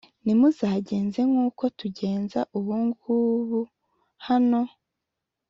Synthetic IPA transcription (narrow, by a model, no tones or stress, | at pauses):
nimuzaːɟe̞ːnze̞ŋuːko̞tuɟe̞ːnzaʔuβuŋɡuβu | hano̞